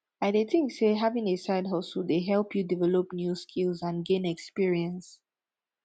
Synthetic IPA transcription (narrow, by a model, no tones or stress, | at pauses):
aɪdeθɪ̃ŋkseɦavɪ̃ŋesaɪdɦaʊsɔdeɦɛlˠpʰjudivɛlɔpnjuskʰilzãnɡẽnɛkspiɹiə̃ns